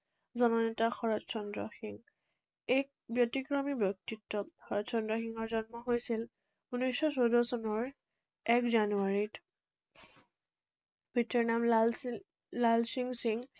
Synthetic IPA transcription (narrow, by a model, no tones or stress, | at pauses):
zɔnɔnɛtaxɔɹɔtsɔndɹɔxiŋ | ɛk̚ | bjɔtikɹɔmibjɔk̚titːɔxɔɹɔtsɔndɹɔxiŋɔɹzɔnmɔɦojsil | unɔjsɔsowdɔsɔnɔɹ | ɛkzanuaɹit | bitɔɹnamlal | lalsiŋsiŋ